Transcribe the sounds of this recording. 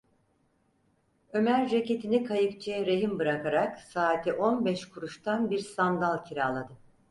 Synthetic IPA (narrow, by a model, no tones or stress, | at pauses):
ø̞mæɾd͡ʒecet̪ʰinikʰajɯkt͡ʃʰɛɾe̞ɦimbɯɾakaɾaksaːt̪ʰɛʔo̞nbɛʃkʰuɾuʃt̪ʰanbiɾsand̪alˠcʰiɾaːlˠad̪ɯ